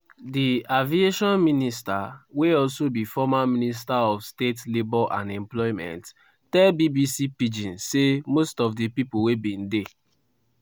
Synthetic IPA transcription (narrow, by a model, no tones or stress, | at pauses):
diavieʃɔ̃nministaweɔlsobifɔmamĩnis̬taɔfstetlebɔʔãnɛ̃mplɔimɛ̰̃nt | tɛlbibisipid͡ʒĩnsemostɔfdepipowebĩn̩de